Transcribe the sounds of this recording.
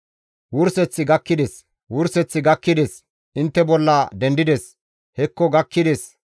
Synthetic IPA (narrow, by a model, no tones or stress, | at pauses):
wʊɾsɛt͡sːɪɡɐkːɪd̪es | wʊɾsɛt͡sːɪɡɐkːɪd̪es | ʔɪnt̪ːɛbɔlːɐd̪ɛnd̪ɪd̪es | hɛkːɔɡɐkːɪd̪es